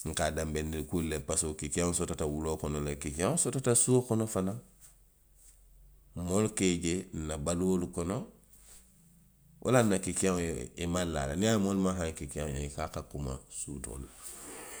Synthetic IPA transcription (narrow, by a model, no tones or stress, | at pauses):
ŋ̩kadambendilkulːepasokikaŋsotatawulokonolekikaŋsotatasuokonofana | molkeɟenabalolukono | ʔa̰lanːakikaŋimalːa̰lanijaːmolmaɦaŋkikiaŋjaikakakuma̰sṵto̰l